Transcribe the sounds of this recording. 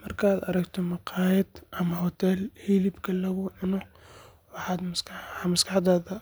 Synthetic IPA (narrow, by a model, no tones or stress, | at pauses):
mɐrkʰaːd̪ɐ̰ɾɐkt̪ʰɔmɑqɑːjɐd̪ʔɐmɐɦɔt̪ʰɛlhiːlɪbkʰɐlɐɣʊʕɪnɔ | wɑħɑːd̪mɐskmɐskʰɑħd̪aːðɐ